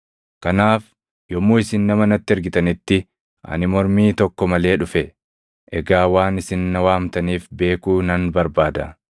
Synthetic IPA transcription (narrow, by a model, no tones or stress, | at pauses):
kɐnaːf | jɔmuːɪsɪnːɐmɐnɐt̪ːɪɛɾɡɪt̪ɐnɪt̪ːɪ | ʔɐ̰nɪmɔɾmiːt̪ɔkːɔmɐle̞ːᶑʊfɛ | ʔɛɡaːwaːnɪsɪnːɐwaːmt̪ɐniːfbe̞ːkuːnɐnbɐɾbaːd̪ɐ